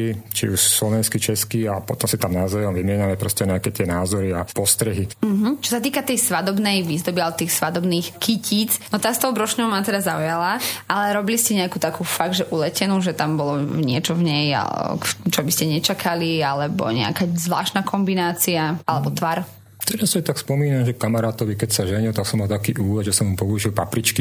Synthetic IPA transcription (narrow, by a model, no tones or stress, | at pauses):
it͡ʃḭuʃslɔʋɛnskit͡ʃɛskiapɔt̪ɔmsit̪amnazɛjɔmʋimɪɛɲamɛpɾɔscɛɲɛakɛt̪ɪɛnaːzɔɾiapɔst̪ɾɛɦim̩ɦ̩t͡ʃɔsat̪iːkat̪ɛjsʋad̪ɔbnɛjʋizd̪ɔbialɛbɔt̪iːxsʋad̪ɔbniːxkiciːt͡snɔt̪ast̪ɔʊbɾɔʃɲɔʊmat̪ɛd̪azaujalaalɛɾɔbiliscɛɲɛakuːt̪akuːfaɡd̪ʒɛʔulɛcɛnuʒɛt̪ambɔlɔɲɪɛt͡ʃɔvɲɛja̰t͡ʃɔbiscɛɲɛt͡ʃakʰalialɛbɔ̰ɲɛ̰a̰kazʋla̰ːʃt̪nakʰɔmbinaːt͡siaalɛbɔt̪ʋaɾ | t̪ɛɾasɛt̪akspɔmiːnamʒɛkamaɾaːt̪ɔʋikɛcsaʒɛɲilt̪aksɔmːalt̪akiːʔuːlɛʒɛsɔmupɔuʒilpapɾit͡ʃki